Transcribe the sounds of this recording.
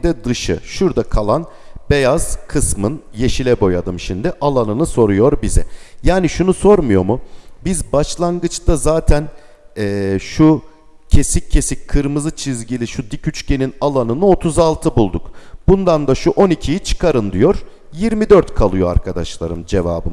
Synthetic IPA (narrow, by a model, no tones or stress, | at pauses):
d̪ɛd̪ɯʃɯ̰ʃuɾd̪akʰalˠan | bejaz̥kʰɯsmɯnje̞ʃilʲɛbo̞jad̪ɯmʃimd̪iʔalˠanɯnɯso̞ɾujo̞ɾbizɛ̰jaːniʃunuso̞ɾmujo̞mubizbaʃlˠanɡɯt͡ʃd̪azaːt̪ʰæn | ɛːʃu | cʰe̞sicʰːe̞sic̚kʰɯɾmɯzɯt͡ʃʰizɟilʲiʃud̪icʰyt͡ʃcʰe̞ninalˠanɯnɯo̞t̪ʰuzalˠt̪ʰɯbulˠd̪ukb̥und̪and̪aʃuʔo̞nicʰijit͡ʃʰɯ̥kʰaɾɯnd̪ijo̞ɾ̥ | jiɾmid̪øɾt̪kʰalˠɯjoa̰ɾkʰad̪aʃlˠa̰ɾɯmd͡ʒe̞va̰ːbɯ̰m